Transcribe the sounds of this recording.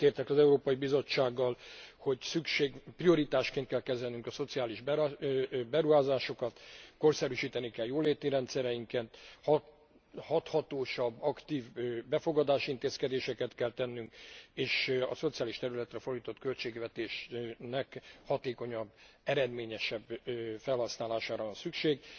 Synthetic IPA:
t̪eːrt̪ɛkɒzɛuɾoːpɒjibizo̞t͡ʃːaːɡːɒlho̞ɟsykʃeːɡprio̞ɾit̪aːʃkeːnt̪kɛlkɛzɛlnyŋkɒso̞t̪siaːliʒb | bɛɾuɦaːzaːʃo̞kɒt̪ko̞rsɛɾyʃiːt̪ɛnikɛljoːleːt̪iɾɛnt̪sɛɾɛjiŋkent̪h | hɒt̪hɒt̪oːʃɒbːɒkt̪iːvbɛfo̞ɡɒd̪aːʃint̪eːskɛd̪eːʃɛkɛt̪kɛlt̪ɛnːyŋkeːʃɒ̰so̞t̪sijaːliʃt̪ɛɾylɛt̪rɛfo̞rd̪iːt̪o̞t̪kø̞lt͡ʃeːɡʋɛt̪eːʃnɛkhɒt̪eːko̞ɲɒbː | ɛɾɛd̪meːɲɛʃɛbfɛlhɒsnaːlaːʃaːɾɒvɒnsykʃeːɡ

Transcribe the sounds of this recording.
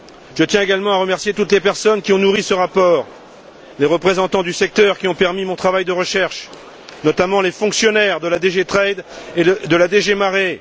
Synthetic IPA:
ʒ̥ət̪jɛ̃eɡalmɑ̃aʁəmɛʁsjet̪ut̪lepɛʁsɔnkʲiɔ̃nuʁisəʁapɔːʁ | leʁəpχezɑ̃t̪ɑ̃d̪ysɛk̚t̪œʁkʲiɔ̃pɛʁmimɔ̃t̪χavajd̪əʁəʃɛʁʃ | nɔt̪amɑ̃lefɔ̃ksjɔnɛʁd̪əlad̪eʒet̪χɛd̪ed̪əlad̪eʒemaʁe

